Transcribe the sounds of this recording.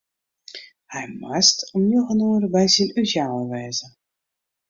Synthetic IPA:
hɛjmɛstɔmjoɣənuərbɛjsinysjaːwəʋɛːzə

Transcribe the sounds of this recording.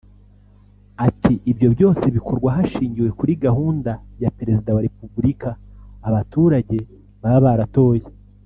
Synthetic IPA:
atʰiʔːbjo̞bjo̞ːse̞βikʰo̞ɾɡwaɦaʃiːɲɟiwe̞kuɾiɡaɦuːndajape̞ɾe̞zidawaɾe̞pubuɾikaːβatuːɾaɟe̞ | βaβaɾato̞ːje

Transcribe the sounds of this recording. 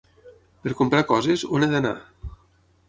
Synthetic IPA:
peɾkompɾakɔzezoned̪ana̰

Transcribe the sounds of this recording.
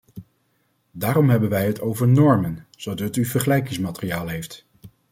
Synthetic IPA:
daːɾɔmɦɛbənʋɛjɦətowvəɹnɔɹmənz̥odɑtyvəɹχəlɛjkɪŋsmatərijaːlˠɦejft

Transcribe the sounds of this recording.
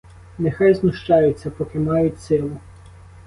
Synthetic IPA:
nexɑjznʊʃt͡ʃɑjʊt͡sʲːɐpɔkɪmɑjʊtʲsɪlˠʊ

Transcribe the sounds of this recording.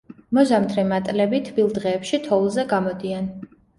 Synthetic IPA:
mɔzamt̪ʰɾimat̪ʼlɛbit̪ʰbilˠd̪ʁɛːpʃit̪ʰɔulˠzɛɡamɔd̪ian

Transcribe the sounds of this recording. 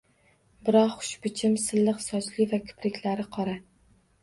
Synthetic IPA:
bɪɾɒqχʊ̥ʃbɪt͡ʃʰɪmsɪlːɪqsɒt͡ʃlɪvakʲʰʊ̥pɾɪkʲlaɾɪqʰɒɾa

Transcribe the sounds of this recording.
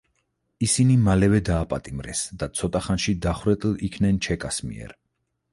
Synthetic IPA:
isinimalɛvɛd̪aːpʼat̪ʼimɾɛ̰sd̪at̪sʰɔt̪ʼaχanʃid̪aχwɾɛt̪ʼlikʰnɛnt͡ʃʰɛkʼasmḭɛ̰ɾ

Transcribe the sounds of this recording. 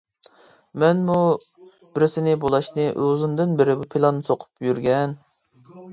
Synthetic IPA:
mɛnmu | bɪɾɪsɪnɪbolˠɑʃnɪʔøzɪnd̪ɪnbɪɾɪbupʰelˠɑnːɨsʰoqʰʊ̥pjyɾɡʲɛn

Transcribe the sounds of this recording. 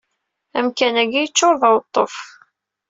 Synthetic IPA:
æmkænæɡijət͡sːoɾðˤɑwət̪ˤːof

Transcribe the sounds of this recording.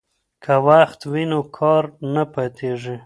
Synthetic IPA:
kʰawaxt̪winokʰɑɾnapat̪ʰeʐi

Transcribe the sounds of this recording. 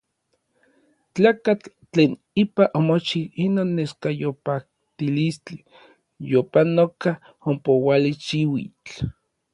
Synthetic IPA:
t͡ɬaːkat͡ɬː | eːn | ipaʔomot͡ʃiinoːnːeskajopak̚ | t̪ilist͡ɬi | jopanoka | ompowaliʃiwḭt͡ɬ

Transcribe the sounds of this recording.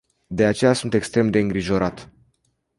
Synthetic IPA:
d̪e̞at͡ʃe̞jasunt̪e̞kst̪ɾe̞md̪e̞ɨŋɡɾiʒo̞ɾat̪

